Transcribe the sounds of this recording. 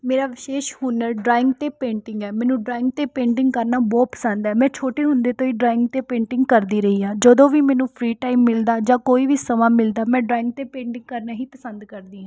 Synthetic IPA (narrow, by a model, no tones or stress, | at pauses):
meːɾaːʋɪʃeːʃhuːnəɾɖɾaːɪ̃ŋɡt̪eːpẽːɳʈɪ̃ŋɡɛːmɛ̃ːnũːɖɾaːɪ̃ŋɡ̚t̪eːpẽːɳʈɪ̃ŋɡkəɾnaːbɔːt̪pə̥sənd̪ɛːmɛ̃ːt͡ʃʰoːʈeːɦʊnd̪eːt̪õːiːɖɾaːɪŋɡ̚t̪eːpẽːɳʈɪ̃ŋɡkəɾd̪iːɾəɦiːaːd͡ʒəd̪õːʋiːmɛ̃ːnũːpʰɾiːʈaːimːɪld̪aːd͡ʒãːkoːiːʋiːsəmãːmɪld̪aːmɛ̃ːɖɾaːɪ̃ŋɡ̚t̪eːpẽːɳʈɪ̃ŋɡ̚kəɾnaːɦiːpəsənd̪kəɾd̪iːɦãː